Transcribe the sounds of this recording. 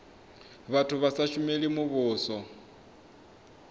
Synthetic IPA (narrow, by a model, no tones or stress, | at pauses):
βatʰʊβasaʃʊmelimʊβʊːsɔ